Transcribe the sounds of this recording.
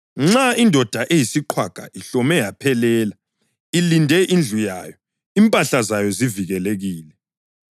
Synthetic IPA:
ŋ͡ǁaindʱɔd̥ʱaʔejisiǃʰwaɡ̥ʱa̰ʔiɬɔmɛjapʰɛlɛːla | ilindʱɛʔind͡ɮʱuja̰ːjɔ | impʼaɬazajɔziviɣɛleɣiːlɛ

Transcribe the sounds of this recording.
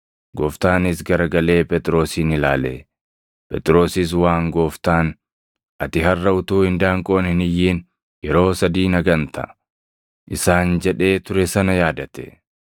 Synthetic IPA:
ɡɔːft̪aːnɪsɡɐɾɐɡɐle̞ːpʼɛt̪ʼɪɾo̞ːsiːnɪlaːlḛ | pʼɛt̪ʼɪɾo̞ːsɪs̬waːŋɡoːft̪aːn | ʔɐt̪ɪɦɐrːɐʊt̪uːhɪnd̪aːŋkʼoːnɪnɪjːiːn | jɛɾo̞ːsɐd̪iːnɐɡɐnt̪ʰɐ̰ | ʔɪsaːnd͡ʒɛᶑe̞ːt̪ʊɾɛsɐnɐjaːd̪ɐt̪ɛ̥

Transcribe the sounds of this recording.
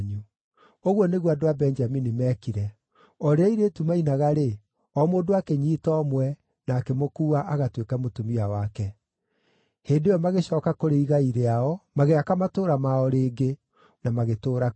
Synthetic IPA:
ɲu | oɣwɔneɣwadoabɛnd͡ʒaminimɛːkiɾɛ | ɔɾeaiɾetumainaɣaɾe | ɔmoːndoakeɲiːtɔmwɛ | naːkemokuːaʔaɣatwekɛmotomiawakɛ | heːndeɔmaɣeɕɔːkakoɾeiɣaiɾeaɔmaɣeakamatoːɾamaɔɾeːɡe | namaɣetoːɾa

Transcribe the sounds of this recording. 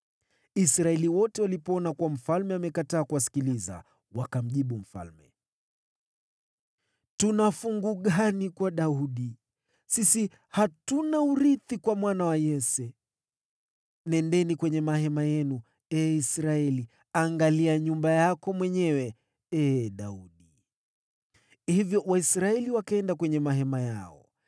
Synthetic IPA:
isɾaɛliwɔtɛwalipɔɔnakuam̩falmɛamɛkataːkuwasi̥kiliza̰ | wakam̩ʄiɓum̩fa̰lmɛ̰ | tunafuŋɡuɠanikwaɗauɗi | sisi | hatunauɾiθikwamwanawajɛsɛ | nɛndɛnikwɛɲɛmahɛmajɛnu | ɛːisɾaɛli | aŋɡaliaɲumbajakɔmwɛɲɛwɛ | ɛːɗauɗi | hivjɔwaisɾaɛliwakaɛndakwɛɲɛmaɦɛmajaɔ̰

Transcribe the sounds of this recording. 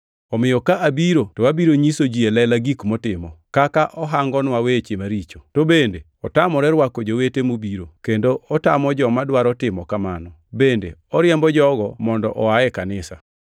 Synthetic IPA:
ɔmɪjɔkaʔabiɾotoabiɾoɲisod͡ʒielɛlaɡikmɔtɪmɔkakaʔɔɦaŋɡɔnwawet͡ʃemaɾit͡ʃo̥tobende | ɔtamɔɾɛɾwakɔd͡ʒowetemubiɾokendoʔɔtamɔd͡ʒɔmadwaɾɔtɪmɔkamanɔ | bendḛɔɾjɛmbɔd͡ʒɔɡɔmɔndɔ̰ʔɔaɛkanɪsa̰

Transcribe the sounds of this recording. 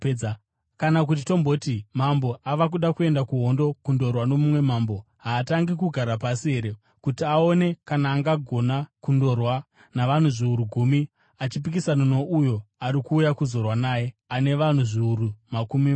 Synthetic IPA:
kanak̬ut̬ito̞mbo̞timambo̞ʔaʋakuɗakue̞ndakuɦo̞ndo̞kundo̞rwano̞mumwe̞maːmbo̞ | ɦaːtaŋɡikuɡʱaɾapasiɦe̞ɾe̞ | kutiao̞ne̞kanaːŋɡaɡʱo̞nakundo̞rwa | naʋan̤uʐiuɾuɡʱumi | at͡ʃipik̬isanono̞ʔujo̞aɾikuːjakuzo̞rwanaːje̞aneʋan̤uʐiuɾumakumi

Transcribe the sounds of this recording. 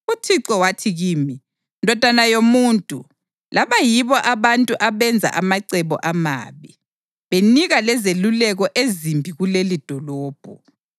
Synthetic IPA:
utʰiǁɔwatʰiɣiːmi | ndʱɔd̥ʱanajomuːntʼu | laβajiβɔʔaβantʼuʔaβɛnd͡zʱa̰ʔamaǀɛβɔ̰ʔama̰ːβɛ | βeniɣalɛzelulɛɣɔʔezimbʱiɣulelid̥ʱɔlɔːb̥ʱɔ

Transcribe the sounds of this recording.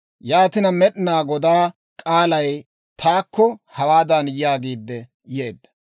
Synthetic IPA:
jaːt̪ɪnɐmɛɗɪnaːɡɔd̪aː | kʼaːlɐj | t̪ʰaːkːɔhɐwaːd̪ɐnjjaːɡiːd̪ːɛ | jeːd̪ːɐ̥

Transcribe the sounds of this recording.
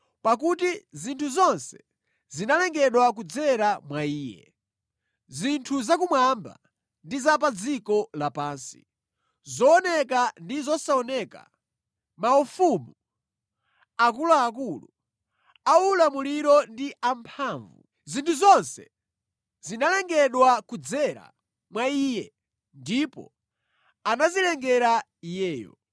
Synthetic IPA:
pak̬utizintʰuzɔnsɛ̥ | zinalɛŋɡɛɗwak̬ud͡zɛɾamwaiːjɛ̰ | zintʰuzak̬umwamba̰ | ndizap̬ad͡zikɔlapaːnsi̥̰ | zɔːnɛkandizɔsaɔnɛka̰ | maufumu | ak̬ulaːk̬ulu | aulamuliɾɔndiʔampʰaːɱvṵ | zintʰuzɔnsɛ | zinalɛŋɡɛɗwakud͡zɛɾa̰ | mwaiːjɛ | ndipɔ̰ | anazilɛŋɡɛɾa | ijɛːjɔ̰

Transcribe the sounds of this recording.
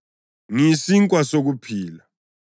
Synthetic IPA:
ŋisiŋkʼwasok̬upʰiːla

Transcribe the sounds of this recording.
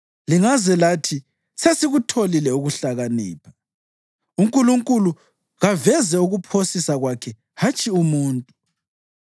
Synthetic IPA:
liŋazɛlatʰi | sesiɣutʰolilɛuɣuɬaɣanḭːpʰḁ | uŋkʼuluŋkʼulu | ɣavɛzɛuɣupʰosisaɣwakʰɛ | hat͡ʃʼiumuːntʼu

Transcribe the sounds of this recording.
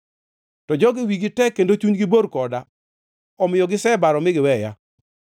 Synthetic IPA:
tɔd͡ʒɔɡɪwiɡɪtɛkːendot͡ʃuɲɡɪboɾkɔda | ɔmɪjɔɡɪsɛbaɾɔmɪɡɪwɛja̰

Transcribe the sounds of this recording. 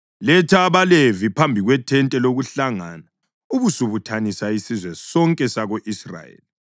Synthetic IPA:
lɛtʰaβalevipʰambʱiɣwɛtʰɛntʼɛloɣuɬaŋana | uβusuβutʰanisaisizwɛsɔŋkʼɛsaɣoʔisra̰jḛːli

